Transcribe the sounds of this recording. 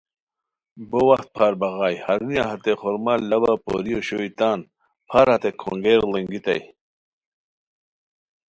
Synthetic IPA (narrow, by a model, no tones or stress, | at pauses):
bowɐxt̪̚pʰaːɾbɐɣaːjhɐɾunijaɦɐt̪eχoɾmallːɐbapo̰ɾijoɕoit̪aːn | pʰaɾɐt̪ekʰo̰ŋɡeɾleŋɡit̪ɐ̰j